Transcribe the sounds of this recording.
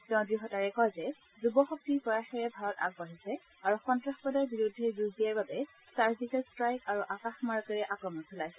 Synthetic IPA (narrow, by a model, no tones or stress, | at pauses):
tɛ̃ʊ̃dɹixɔtaɹɛkɔjzɛ | zubɔxɔk̚tiɹpɔɹaxɛɹɛbʱaɹɔta̰ɡ̚baɦisɛ | aɹuxɔntɹaxpɔdajbiɹudʱːɛzuzbijaɹbabɛ | saɹzikɛstɹajkaɹuʔakaxmaɹkɛɹɛʔakɹɔmɔntʰulajsɛ